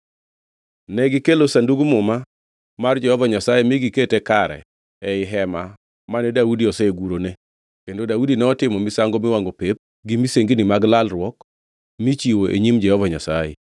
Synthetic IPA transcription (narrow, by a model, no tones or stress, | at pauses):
nɛɡɪkelosanduɡmʊma | mard͡ʒɛhɔvaɲasajemiɡiketɛkaɾɛ̰ | ɛɪɦɛma | manɛdaudiɔsɛɡuɾone | kendodaudinɛɔtɪmɔmɪsaŋɡɔmɪwaŋɡopep̚ | ɡimiseŋɡinimaɡlalrwɔk | mit͡ʃiwoʔḛɲimd͡ʒɛhɔvaɲasajḛ